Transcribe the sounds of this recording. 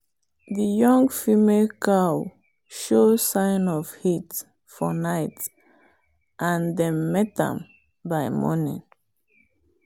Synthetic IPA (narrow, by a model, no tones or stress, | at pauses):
ðəjɔ̃ŋɡfimelkʰaʊ | ʃosãɪnɔv̥hit | fɔnaɪt | ʔãndɛ̃mːɛtã̰m | baɪmɔ̰nḭ̃n